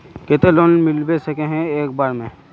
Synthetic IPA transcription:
ket̪eloːnmɪlbesɐkẽɦɛ̃eːk̚baːɾmẽː

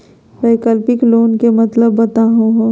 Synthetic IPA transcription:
peɪkəlpɪkloːnkemɐt̪ləbːɐt̪aɦũɦo

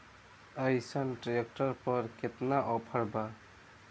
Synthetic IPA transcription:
əjsənʈɾek̚ʈəɾpəɾket̪naʔɔpʰəɾba

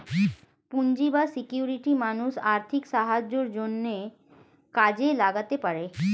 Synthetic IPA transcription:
pund͡ʑibasikjuɾiʈimanuʃaɾt̪ʰikʃaɦad͡ʑoɾd͡ʑonːe | kad͡ʑelaɡat̪epaɾe

